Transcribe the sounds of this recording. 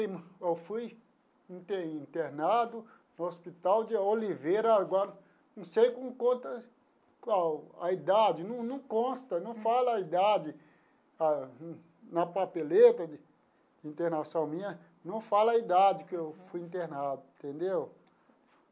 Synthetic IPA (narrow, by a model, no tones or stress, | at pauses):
imɐewfuj | ĩt̪eĩnt̪eɾnad̪ʊ | nʊospit̪awd͡ʒɪolivejɾɐɡwaɾ | nɐ̃w̃sejkõmkõt̪ɐ | kaaid̪ad͡ʒɪnɐ̃w̃nɐ̃w̃kõst̪ɐnɐ̃w̃falɐɐid̪ad͡ʒɪ | a | nɐpapelet̪ɐd͡ʒɪ | d͡ʒɪĩnt̪eɾnasɐ̃w̃mĩɲɐ | nɐ̃w̃falɐaid̪ad͡ʒɪkɪewfujĩnt̪eɾnad̪ʊĩt̪ẽnd̪ew